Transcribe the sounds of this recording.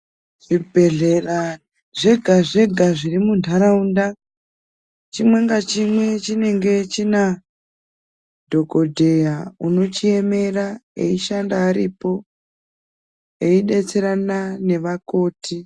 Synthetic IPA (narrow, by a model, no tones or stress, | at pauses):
ʐibʱe̞ɮera | ʐeɡʱaʐe̞ɡʱaʐirimundʱaɾaunda | t͡ʃimwe̞ŋɡat͡ʃimwe̞t͡ʃine̞ŋɡe̞t͡ʃina | dʱo̞ko̞dʱe̞jauno̞t͡ʃie̞me̞raḛiʃandaːɾipo̞ | eiɗe̞t͡se̞ɾanane̞ʋako̞ːti